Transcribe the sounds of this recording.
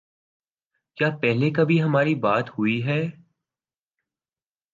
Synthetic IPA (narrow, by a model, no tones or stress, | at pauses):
kjaːpɛɦlekɐbʱiɦɐmaːɾibaːt̪hʊiɦɛː